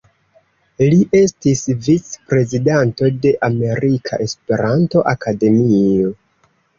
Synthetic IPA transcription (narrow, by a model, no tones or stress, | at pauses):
liʔe̞stisvit͡spɾe̞zidanto̞de̞ʔame̞ɾikʰa̰ʔe̞spe̞ɾanto̞ʔakade̞mio̞